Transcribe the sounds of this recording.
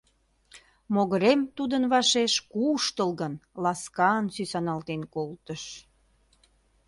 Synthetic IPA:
moɣəɾemt̪ud̪ənβɑʃeʃkuʃt̪əlɣənlɑskɑnsysɑnɑlt̪enkolt̪əʃ

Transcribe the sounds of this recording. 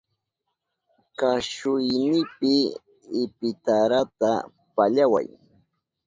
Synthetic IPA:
kaʃʊjnɪpɪː | pɪt̪aɾat̪a | paʎawa̰j

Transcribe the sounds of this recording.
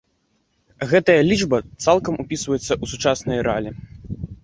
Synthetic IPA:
ɣɛt̪ɐjɐlʲid͡ʐbɐt̪salˠkɐmupʲisvɐjɛt̪sːɐʔusut͡ʂasnɐjɾalʲi

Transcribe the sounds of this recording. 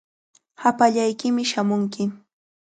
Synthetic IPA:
hapaʎajkɪmɪʃamʊŋkɪ

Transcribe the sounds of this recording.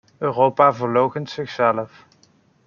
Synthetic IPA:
øːrowpaːvəɹlowχəntsɪxsɛləf

